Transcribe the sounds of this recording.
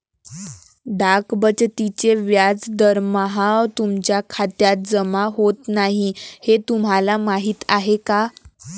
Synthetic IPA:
d̪akbət͡ɕt̪it͡ɕeʋjad͡zd̪əɾmaɦat̪umt͡ɕjakʰat̪jat̪̚d͡zəmaɦot̪naɦihet̪um̤ɦalamaɦiːt̪aɦeka

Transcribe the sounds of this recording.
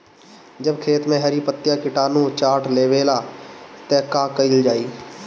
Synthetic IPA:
d͡ʒəbkʰeːt̪mẽɦəɾipət̪ːjakɪʈaːnũt͡ʃaːʈʰleːʋeːlat̪ɛkakəild͡ʒaːiː

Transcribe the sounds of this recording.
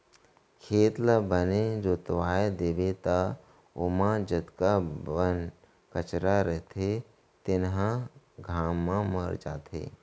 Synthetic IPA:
kʰeːt̪ləbəned͡ʒoːt̪əʋaːed̪eːbet̪a | ʊmãd͡ʒət̪kabən | kət͡ʃɾaɾɛɦt̪ʰe | t̪ɪnɦã | ɡʱaːmːãməɾd͡ʒa̰ːt̪ʰḛː

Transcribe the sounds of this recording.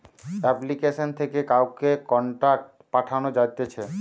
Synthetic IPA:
ɛplikeʃont̪ʰekekawkekɔɳʈak̚ʈpaʈʰanod͡ʑajt̪et͡ɕʰe

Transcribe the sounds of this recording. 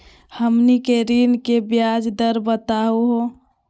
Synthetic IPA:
həmnikeɾinkebjad͡ʒd̪əɾbət̪auɦo

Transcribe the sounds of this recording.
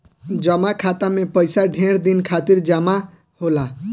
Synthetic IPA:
d͡ʒəmakʰat̪amẽpəjsaɖʱẽːɾd̪inkʰat̪iɾd͡ʒəma | hola

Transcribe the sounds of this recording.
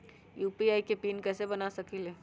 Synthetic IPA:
juːpiaːikepiːnkɛːsebɐnasɐkileː

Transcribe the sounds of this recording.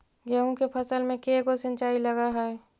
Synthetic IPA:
ɡɛːũkepʰəsəlmẽkekosə̃nt͡ʃaːiləɡaɦɛɛ

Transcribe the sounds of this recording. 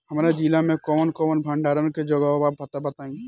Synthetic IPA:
ɦɐmːɾad͡ʒiːlamẽkɔːnkɔːnbʱɐ̃ɳɖaːɾənked͡ʒoːɡabaːbɐt̪abɐt̪aːẽːe

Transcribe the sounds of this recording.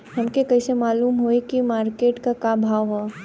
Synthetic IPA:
ɦɐmkekɐisemaːluːmɦoekimaːɾkeːʈkakaːbʱaːʋɦaː

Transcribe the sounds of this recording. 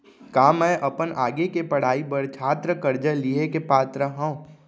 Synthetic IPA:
kaːmɛ̃ːʔɐpənaːɡekepɐɽ̤aːibəɽt͡ʃʰaːt̪ɾəkəɾd͡ʒəliɦekepaːt̪ɾəɦãũ

